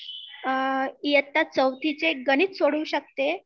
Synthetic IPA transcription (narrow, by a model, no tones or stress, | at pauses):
ijət̪ːat͡səwt̪ʰit͡seɡəniːt͡s̪soɽuːɕək̚t̪e